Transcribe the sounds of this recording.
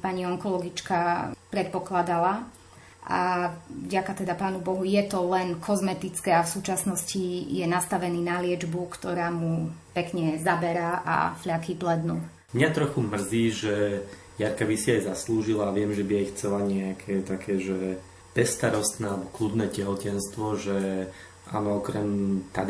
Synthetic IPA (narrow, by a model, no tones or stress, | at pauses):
paɲiɔŋkɔlɔɡit͡ʃkapɾɛt̪̚pɔklad̪ala | ʔa̰vɟakat̪ɛd̪apaːnubɔɦujɛt̪ɔlɛnkʰɔzmɛt̪it͡skɛafsuːt͡ʃasnɔscijɛnast̪aʋɛniːnalɪɛd͡ʒbukt̪ɔɾaːmupɛkɲɛzabɛɾaʔa̰fʎakiːplɛd̪nuː | mɲat̪ɾɔxumr̩ziːʒɛ | jaɾkabisiajzasluːʒilaːʋɪɛmʒɛbiaixt͡sɛlaɲɛakʰɛːt̪akʰɛːʒɛ | b̥ɛst̪aɾɔst̪naːbɔklud̪nɛːcɛɦɔcɛnst̪ʋɔʒɛ | ʔa̰nɔɔkɾɛmt̪a̰d̪